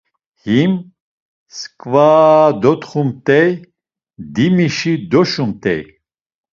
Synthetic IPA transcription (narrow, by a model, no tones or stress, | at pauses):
him | skʼvaːd̪ɔt̪χumt̪ʼɛj | d̪imiʃid̪ɔʃumt̪ʰʼɛ̰j